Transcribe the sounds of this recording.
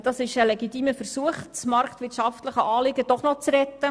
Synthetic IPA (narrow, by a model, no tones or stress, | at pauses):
d̥ɑsɪʃəlɛɡit̪iːməfəɾsuəχt͡smɑɾktʋɪtʃɑftləχəʔɑːlɪɡəd̥ɔχnɔt͡srɛt̪ːə